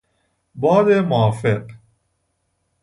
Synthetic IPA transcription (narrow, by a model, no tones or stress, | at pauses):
bɒːd̪emoːfeq